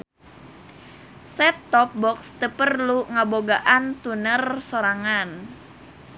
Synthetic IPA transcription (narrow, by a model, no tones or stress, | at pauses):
sɛt̪ːɔp̚bɔkst̪əpərluŋaboɡaʔant̪unərsoɾaŋan